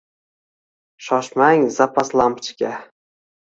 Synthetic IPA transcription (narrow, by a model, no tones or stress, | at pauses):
ʃɒʃmaŋzapʰaslˠampt͡ʃkʲa